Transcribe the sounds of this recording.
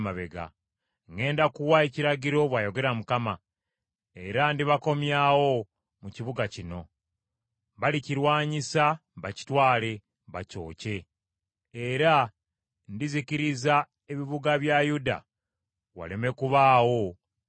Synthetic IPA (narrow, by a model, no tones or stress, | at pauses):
maβḛɡa̰ | ŋɡe̞ːndakuwaeciɾaɟiɾo̞βwajo̞ɡe̞ɾamukama | e̞ɾandiβako̞mjawo̞ | muciβuɡacino̞ | βaliciɾwaːɲisaβaci̥twaːle̞ | βaco̞̰ːce̞ː | ɾa | ndiziciɾiza | e̞βiβuɡaβjajuda̰ | wa̰leme̞kuβaːwo̞